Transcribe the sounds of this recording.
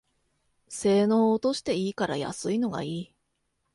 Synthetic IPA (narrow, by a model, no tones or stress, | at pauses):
se̞ːno̞ːt̪o̞ɕi̥t̪e̞iːkaɾa̰ja̰sɨino̞ɡa̰iː